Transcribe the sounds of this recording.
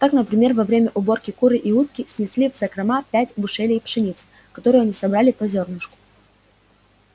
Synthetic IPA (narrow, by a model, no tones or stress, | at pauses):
t̪aknəpɾʲɪmʲe̞rvɐvɾʲemʲəʔʊbo̞rkʲɪkuɾɨʔiut̪̚kʲɪsʲnʲɪsʲlʲivzɐkɾɐmapʲætʲbʊʂelʲɪpʂɨnʲit̪sɨ | kɐt̪o̞ɾɨjʊɐnʲisɐbɾalʲɪpɐzʲo̞rnɨʂkʊ̥